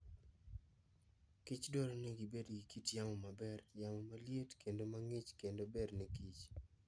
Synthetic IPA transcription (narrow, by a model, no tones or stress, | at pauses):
kit͡ʃdoɾonɪɡɪbedɡikitjaŋomabɛrjaŋomaljetkʰendomaŋit͡ʃkendobednikit͡ʃ